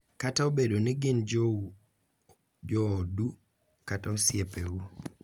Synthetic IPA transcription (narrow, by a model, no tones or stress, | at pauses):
kataobedonɪɡɪnd͡ʒ | d͡ʒɔːdu | kataosjepeu